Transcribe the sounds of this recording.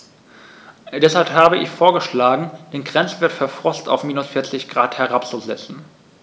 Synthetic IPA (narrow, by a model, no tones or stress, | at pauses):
d̥ɛshalphaːbəʔɪ̰çfoːɐɡəʃlaːɡŋ̩d̥eːnɡʁɛnt͡sv̥eːɐtfɛɐfʁ̥ɔsta̰ʊfmiːnʊsfɪɐt͡sɪçɡ̥ʁaːthɛʁapt͡suzɛt͡sn̩